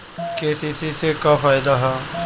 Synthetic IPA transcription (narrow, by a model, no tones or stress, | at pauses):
keːsiːsisekaːfaːjd̪aɦaː